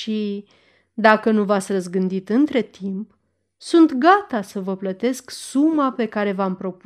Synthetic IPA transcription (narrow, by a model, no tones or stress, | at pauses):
ʃi | d̪akənuvat̪sʲrəzɡɨnd̪it̪ɨnt̪ɾe̞t̪imp | sunt̪ɡat̪asəvəplət̪e̞sksumape̞kaɾe̞vampɾo̞p